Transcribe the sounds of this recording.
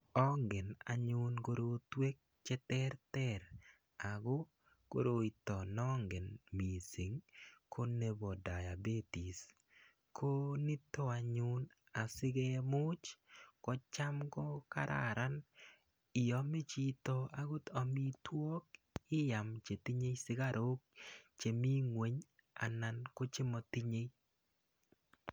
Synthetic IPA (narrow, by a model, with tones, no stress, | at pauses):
ɔ˦ŋɡɪ˨na˨ɲʊ˦nko˦ɾotwe˦k̚ | t͡ʃɛ˦t̪ɛ˦ɾt̪ɛ˦ɾ | a˨ɡo˦ | ko̰˦ɾo˨˦i˨t̪ɔ˨nɔ˦ŋɡɪ˨nmi˨si˨ŋkʰo˦ne˦bɔ˨da˨ja˨be˦ti˨s | kʰo˦nɪ˦t̪o˦a˨ɲʊ˦n | a˨sɪ˦ɡɛ˦mʊ˦t͡ʃkɔ˨t͡ʃa˦mkɔ˦ka˦ɾʔa̰˨ɾa˦n | ɪ˨ɔ˨mɪ˦t͡ʃi˦t̪ɔ˨a˦ɡʊ˦t̪ɔ˨mi˦twɔ˦k | ɪ˦ja˨mt͡ʃe˨ti˦ɲe˦jsɪ˦ɡa˦˨ɾʔo˦k̚t͡ʃe˨mi˦ŋwe˨ɲ | a̰˨na˦nko˦t͡ʃɪ˦mɔ˦ti˦ɲe˦j